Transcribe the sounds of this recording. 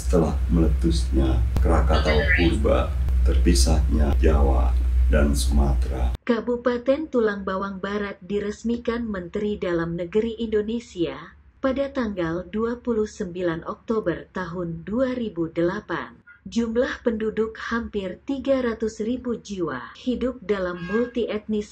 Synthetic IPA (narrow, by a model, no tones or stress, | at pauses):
sə̥t̪əlahmələt̪usɲakəɾakat̪aukubat̪ərpisahɲad͡ʒawa̰dansəmat̪ɾakabupat̪ɛnt̪ulaŋbawaŋbaɾat̪̚diɾəsmikanmənt̪ɾidalamnəɡəɾiʔːndonesia | padat̪aŋɡalduapuluhsəmbilanʔɔk̚t̪obərt̪aɦʊnduaɾibudəlapa̰nd͡ʒumlahpəndudʊkhampɪrt̪iɡaɾat̪usribud͡ʒiwa̰hidʊp̚dalamːult̪iʔɛt̪̚nis